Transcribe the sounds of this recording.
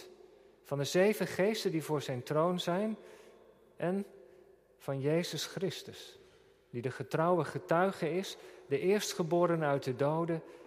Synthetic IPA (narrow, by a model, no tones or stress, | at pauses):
vɑndəzejvəχejstədivʊːɹzɛjntrownzɛjn | ʔɛn | v̥ɑnjejzəsχrɪstəs | didəχətrʌwəχətœɥχəɪsdəʔɪːɹstχəbʊːɾənœɥt̚dədowdə